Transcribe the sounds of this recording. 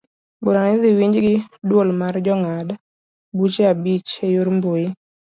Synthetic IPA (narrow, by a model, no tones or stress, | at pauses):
buɾanɪðɪwiɲd͡ʒɡɪdwolmard͡ʒɔŋad | but͡ʃeabit͡ʃejuɾmboi